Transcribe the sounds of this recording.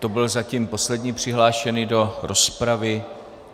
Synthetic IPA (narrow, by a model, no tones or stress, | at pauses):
t̪o̞bɪlzacimpo̞slɛdɲiːpr̝̥ɪɦlaːʃɛnido̞ɾo̞spɾavɪ